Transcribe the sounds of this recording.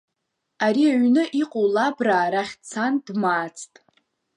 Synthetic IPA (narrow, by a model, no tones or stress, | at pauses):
aɾiaɥnɨʔiqʼowlabraːɾaχʲt͡sʰandmaːt͡sʰʼtʼ